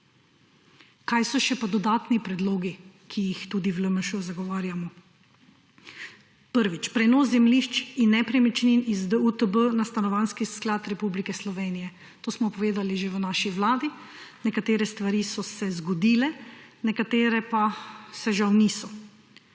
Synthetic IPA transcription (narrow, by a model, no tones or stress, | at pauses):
kajsɔʃɛpad̪ɔd̪aːt̪nipɾɛd̪loːɡi | kʰijixt̪uːd̪iʋləməʃuzaɡɔʋaːɾjamɔ | pəɾʋit͡ʃpɾɛnɔszɛmliʃt͡ʃinːɛpɾɛmit͡ʃninizd̪əut̪əbənast̪anɔʋanskisklaːt̪ɾɛpublikɛslɔʋeːnijɛ | t̪oːsmɔpɔʋeːd̪aliʒeʋənaːʃiʋlaːd̪i | nɛkat̪eːɾɛst̪ʋaɾiːsɔsɛzɡɔd̪iːlɛnɛkat̪eːɾɛpasɛʒawniːsɔ